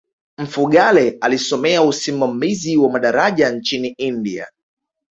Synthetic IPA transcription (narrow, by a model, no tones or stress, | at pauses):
m̩fuɠalɛalisɔmɛausimamiziwamaɗaɾaʄant͡ʃiniindia̰